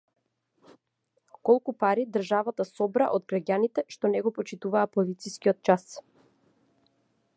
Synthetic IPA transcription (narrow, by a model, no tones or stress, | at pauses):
kɔlˠkupaɾid̪r̩ʒavat̪asɔbɾa̰ʔod̪ɡɾaɟanit̪ɛʃt̪ɔnɛɡɔpɔt͡ʃit̪uvaːpɔlit̪siskiɔt̪̚t͡ʃas